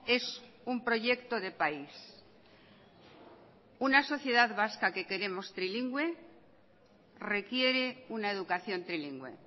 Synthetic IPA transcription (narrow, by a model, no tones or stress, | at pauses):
e̞s | umpɾo̞ʝe̞kt̪o̞ðe̞pais | unaso̞θje̞ðaðβaskake̞ke̞ɾe̞mo̞st̪ɾiliŋɡwe̞ | re̞kje̞ɾe̞unae̞ðukaθjo̞nt̪ɾiliŋɡwe̞̰